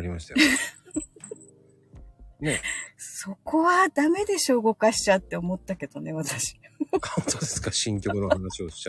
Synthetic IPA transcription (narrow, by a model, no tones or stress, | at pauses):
ɾʲimaɕi̥t̪a̰j | neso̞ko̞βad̪ame̞d̪e̞ɕo̞ːɡo̞kaɕi̥t͡ɕat̪ːe̞omo̞t̪ːake̞d̪̥o̞ne̞βat̪aɕi̥kat̪od̪esɨ̥kaɕĩŋkʲo̞kɯ̟nohanaɕio̞ɕi̥a